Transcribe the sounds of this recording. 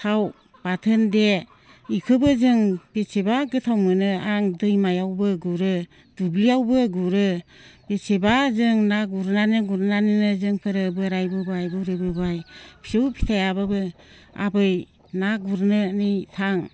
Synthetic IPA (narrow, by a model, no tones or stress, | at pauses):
sʰaw | b̥atʰɯnde | ikʰɯbɯzɯŋb̥esebaɡɯtʰawmɯnɯaŋdɯjmajawbɯɡuɾɯ | dublijawbɯɡuɾɯb̥esebazɯŋnaɡuɾnanɯɡuɾnaninɯzɯŋpʰɯɾɯbɯɾajbɯbajbɯɾɯbɯbajpʰi̥sɯwpʰi̥tʰajababɯ | a̰bɯj | naɡuɾnɯnitʰaŋ